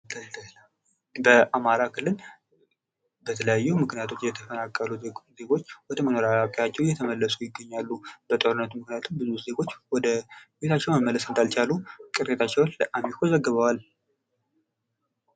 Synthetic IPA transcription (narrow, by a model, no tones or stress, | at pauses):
bəʔamaɾakʰɨlːɨl | bət̪ʰələjajːumɨknijat̪ʰo̞t͡ʃːjɛt̪ʰəfənakʼːəluze̞ɡo̞t͡ʃːwɔd̪əməno̞ɾaakʼjat͡ʃːɛwjɛt̪ʰəməlːəsujɪɡːəɲːalːub̥ət̪ʼo̞ɾɨnːət̪mɨknijat̪ʰumbɨzuze̞ɡo̞t͡ʃːwɔd̪əbet̪ʰat͡ʃːɛwməmːələsɨnd̪alt͡ʃalukʼɨɾet̪ʰat͡ʃːɛwnləʔamikʰozəɡːəβawal